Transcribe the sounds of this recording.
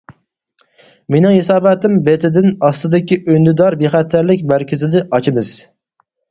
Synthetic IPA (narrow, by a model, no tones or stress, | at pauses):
menɪŋhesɑːbɛt̪ɪmbet̪ʰɪd̪ɪnɑst̪ɨd̪ɪkʲiʔønd̪ɪd̪ɑɾbeχæt̪ʰːæɾlɪkʲbæɾkʲʰɪzɪd̪ɪʔɑt͡ʃʰɪmɨz̥